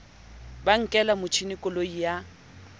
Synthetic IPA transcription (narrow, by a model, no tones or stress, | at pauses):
baŋ̩kʼɛlamʊt͡ʃʰinɪkʼɔloija